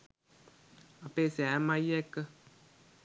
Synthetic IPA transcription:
apeseamãjɛkə

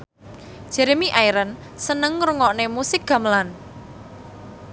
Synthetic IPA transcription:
d̥ʒ̥ɛɾemiʔajɾən | sənəŋːɾuŋɔʔnemusɪk̚ɡ̥a̤məlan

